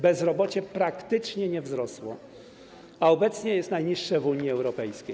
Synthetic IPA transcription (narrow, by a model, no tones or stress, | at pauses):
bɛzɾɔbɔt͡ɕɛpɾakt̪ɘt͡ʂɲɛɲɛvzɾɔswɔ̰ | aɔbɛt̪sɲɛjɛst̪najɲiʂːɛvuɲiɛwɾɔpɛjskʲej